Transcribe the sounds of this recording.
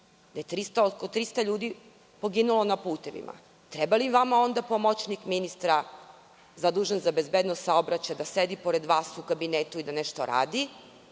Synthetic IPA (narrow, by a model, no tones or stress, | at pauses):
d̪̥aje̞t̪ɾist̪aot̪kolot̪ɾist̪aʎuːd̪i | po̞ɡinulo̞napuːt̪e̞ʋḭmʔa̰ | t̪ɾebaliʋamao̞nd̪apo̞mo̞t͡ɕnikminist̪ɾa | zad̪uːʒenzabe̞zbed̪nost̪sao̞bɾat͡ɕajd̪ased̪ipo̞ɾe̞d̪ʋaːsukabinet̪uid̪aneʃt̪o̰ɾa̰ːd̪i